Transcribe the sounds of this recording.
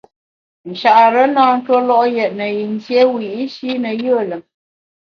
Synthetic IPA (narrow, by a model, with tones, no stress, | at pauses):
n̩˨ʃa˨ʔɾə˦naː˦n̩˦two˦lɔ˦ʔjɛ˨ʔ̚nə˨ji˨n˦tje˦wi˨i˦ʃi˦nə˨jə˦˨lə˨